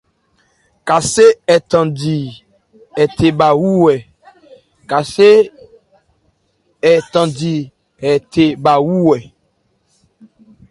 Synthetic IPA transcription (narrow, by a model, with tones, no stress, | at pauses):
ka˨se˦ɛ˨t̪ã˨di˨ | ɛ˨t̪e˨ba˨wu˦wɛ˨ | ka˨se˦ | ɛ˨t̪ã˨di˨ | ɛ˨t̪e˨ba˨wu˦wɛ˨